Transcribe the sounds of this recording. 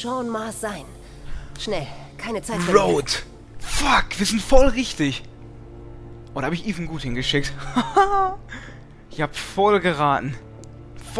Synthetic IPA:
ʃaʊnmaːsz̥aɪn | ʃnɛlkʰaɪnət͡saɪfoʊt | fakv̥iːɐzɪntfɔlʁɪçtɪç | ʔʊdahaːbɪçʔiːvn̩ɡuːthɪnɡəʃɪk̚t | ɪçhaːbəfɔlɡəʁaːtn̩ | f

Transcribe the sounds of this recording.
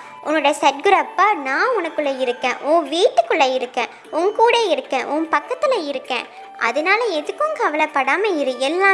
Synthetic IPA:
ʔʊnːɯɽɐjɐsɛʈ̚ɡɯɾapːaːnãːʊnɐkːɯɭːɐɪɾɯkːḛ̃ːʔʊ̃ːʋiːʈːɯkːɯɭːɐɪɾɯkːẽ | ʊŋɡkuːɽɐɪɾɯkːẽʔʊ̃ːpɐkːɐt̪ːɪlɐɪɾɯkːḛ̃ː | ʔɐ̰ðɐnaːlɐɛðɯkːɯ̃mkɐʋɐlɐpːɐɽaːmɐɪɾɯɛlːaː

